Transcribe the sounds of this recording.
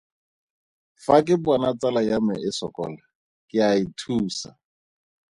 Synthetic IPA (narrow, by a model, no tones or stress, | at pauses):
fakʼɪbanat͡salajamɛʔɪsɔ̰kɔ̰ːla | kʼɪaitʰuːsa̰